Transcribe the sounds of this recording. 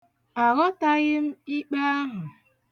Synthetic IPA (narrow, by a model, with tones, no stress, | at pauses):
a˨ɣɔ˦ta˦ɣɪ˦m̩˦i˦k͡pa˦a˦ɦʊ˨